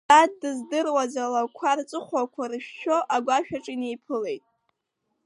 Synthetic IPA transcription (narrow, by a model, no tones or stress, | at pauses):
bad̚dɨzdɨrwazalakʷʰart͡sʼɨχʷakʷʰarɨʃᶣʃo̞ʔaɡʷaʃᶣaʈ͡ʂʼine̞jpʰɨle̞jtʼ